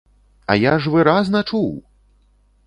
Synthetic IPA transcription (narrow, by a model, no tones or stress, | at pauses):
ɐ̰jaʐvɨɾaznɐt͡ʂuw